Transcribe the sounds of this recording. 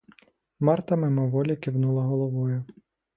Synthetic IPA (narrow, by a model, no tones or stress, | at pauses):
mɑrt̪ɐmɪmɔʋɔlʲɐkʲɪwnulˠɐɦɔlˠɔʋɔjʊ